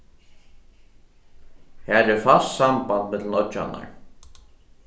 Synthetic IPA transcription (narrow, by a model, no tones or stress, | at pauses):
hæːɾɛfassambant̪mɛt̪lnœt͡ʃa̰na̰ɹ